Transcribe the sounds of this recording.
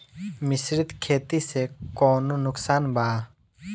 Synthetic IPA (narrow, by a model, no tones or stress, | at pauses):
mɪsɾɪt̪kʰeːt̪isekɔːnunʊksaːnbʱaː